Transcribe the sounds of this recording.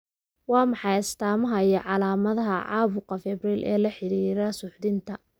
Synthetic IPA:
wɑːmɑħɑjɪst̪ʰaːmɐɦɐiɐʕɑlaːmɐðɐɦɐʕɑ̰ːβʊqɐfɛbriːlʔɛ̰ːlɐħɪɾiːɾɐsʊħd̪ɪnt̪ʰɐ

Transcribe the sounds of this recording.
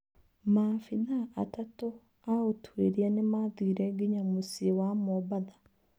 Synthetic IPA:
maːfiðaːtato | aotʰwḛɾianemaðiːɾɛɡiɲamusiewamobaða

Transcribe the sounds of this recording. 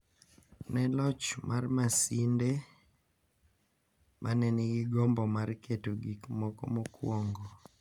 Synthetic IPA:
nɛlɔt͡ʃmʔarmasinde | mʔanɛnɪɡɪɡɔmbɔmarketoɡikmɔkɔmɔkwɔŋɡɔ

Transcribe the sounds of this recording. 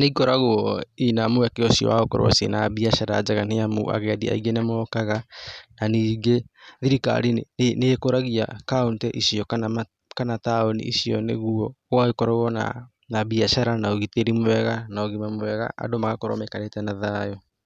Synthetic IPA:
neikɔɾaɣoɔinamoakeɔsiɔ̰waɣokɔ̰ɾo̰wa̰sḛnabiaʃaɾad͡ʒaɣan̥eamo̰a̰ɣɛadia̰iɡenemɔkaɣananiːɡeðiɾika̰ɾinekoɾaɣia̰kauntɛʔisiɔkan | kanataonḭʔisiɔnḛɣuɔɣwaekɔɾɔɣɔna̰ | nabiaʃaɾanaoɣiteɾimoɛɣanaoɣimamowɛɣa̰ʔa̰domaɣakoɾɔ̰mekanetɛnaðajɔ

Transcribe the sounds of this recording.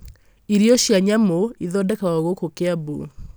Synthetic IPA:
iɾiɔʃjaɲamoiðɔdɛkawɔɣokokeabo̰

